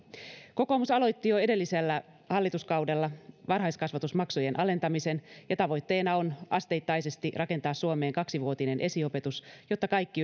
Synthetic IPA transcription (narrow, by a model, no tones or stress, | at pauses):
ko̞ko̞musɑlo̞jt̪ːijoe̞de̞lːiselːæ | hɑlːit̪uskɑwde̞lːɑʋɑnɦɑjskɑsʋɑt̪usmɑksoje̞nʔɑle̞nt̪ɑmise̞njɑt̪ɑʋo̞jt̪ːe̞ːnɑo̞nʔɑst̪e̞jt̪ːɑjse̞st̪irʔɑke̞nt̪ɑːssuome̞ːŋkɑksiʋuot̪ine̞nʔe̞siope̞t̪usjo̞t̪ːɑkɑjkːi